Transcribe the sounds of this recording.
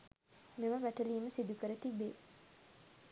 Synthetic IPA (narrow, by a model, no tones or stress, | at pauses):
meməʋæʈəliːməsid̪ukəɾət̪ibeː